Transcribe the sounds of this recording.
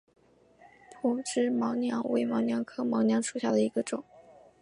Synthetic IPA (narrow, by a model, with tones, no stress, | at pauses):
pʰʊ˧˥ŋʈ͡ʂɻ̩˥mɑ˧˥ʊnjɑ˧˥ŋwḛ˧˥ɪmɑ˧˥ʊnjɑ˧˥ŋkʰɤ˥mɑ˧˥ʊnjɑ˧˥ŋʂu̥˨˩ɕja̰˥˩d̪ə˩i˧˥ɡə˧ʈ͡ʂʊ˨˩˦